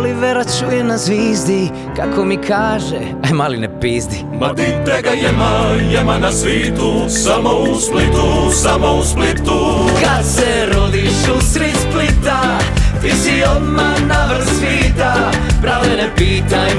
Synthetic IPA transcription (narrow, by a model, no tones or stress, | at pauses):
oliʋeɾat͡ʃujenazʋiːzd̪i | kakʰomikʰaːʒe | emalinepiːzd̪i | mat̪it̪ɛɡajɛmajɛmanasʋiːt̪usamousplit̪usamousplit̪u | kad̪sɛɾod̪iʃusɾisplit̪a | t̪isiod̪ma | naʋr̩ | ʋiːt̪a | pɾavlɛnepiːt̪aj